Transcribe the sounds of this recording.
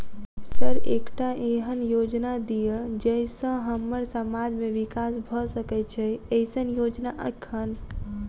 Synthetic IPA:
səɾekʈaʔeɦənjod͡ʒnad̪ijed͡ʒəjsə̃ɦəməɾsəmad͡ʒmeʋikasbʱɔsəkɛt͡ʃʰɛəjsənjod͡ʒnaʔə̰kʰːən

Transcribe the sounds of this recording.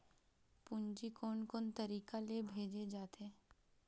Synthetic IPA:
pʊɲd͡ʒikoːnkoːnt̪ɐɾiːkalebʱeːd͡ʒed͡ʒaːt̪eɛ

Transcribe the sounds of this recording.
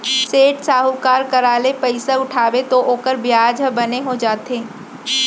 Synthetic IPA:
seːʈsaːɦukaːɾkɐɾaːlepəɪsaʊʈʰaːʋet̪oʔoːkəɾbjaːd͡ʒəbɐneɦod͡ʒaːt̪eː

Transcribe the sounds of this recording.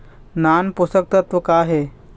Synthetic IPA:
nanpust̪ək̚t̪ət̪ʋəkaɦe

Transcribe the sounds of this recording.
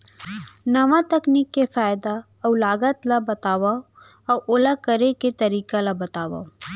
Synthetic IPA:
nɐʋat̪ɐkniːkːefaːjd̪a | ɔwlaːɡət̪labɐt̪aːʋa | ɔʔolakəɾeket̪ɐɾiːkalabɐt̪aːʋa̰

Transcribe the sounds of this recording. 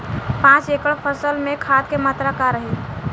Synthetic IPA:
pãt͡ʃekəɽpʰəsəlmekʰad̪̚kemat̪ɾakaɾəɦi

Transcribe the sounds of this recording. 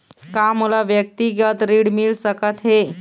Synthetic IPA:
kamulaʋjək̚t̪iɡət̪ɾiɽmilsəkət̪ɦe

